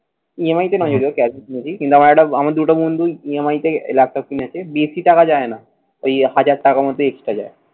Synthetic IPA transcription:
iemajt̪enɔd͡ʑoɾiokɛsinit͡ɕʰikint̪uamaɾɛkʈaamaɾd̪uʈabond̪uiemajt̪eḛlak̚ʈɔk̚kiniat͡ɕʰebisiʈakad͡ʑaena | ojhad͡ʑaɾʈakamɔd̪ːeeksʈad͡ʑa̰e

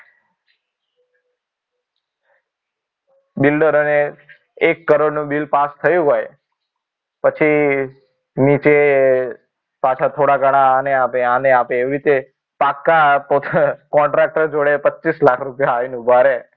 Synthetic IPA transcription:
bilɖəɾone | ekːəɾoɽnũbilpast̪ʰəjũɦoj | pət͡ʃʰi | nit͡ʃe | pat͡ʃʰat̪ʰoɽaɡəɽ̃aneapeaneapeːʋiɾit̪e | pakːapot̪ʰkɔ̃ɳʈɾak̚ʈəɾd͡ʒoɽepətːʃislakʰɾupjaainũbʱaɾe

